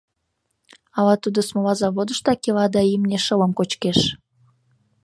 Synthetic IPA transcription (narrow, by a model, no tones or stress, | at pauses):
ɑlɑt̪ud̪osmolɑzɑβod̪əʃt̪ɑkelɑd̪ɑimneʃələmkot͡ɕkeʃ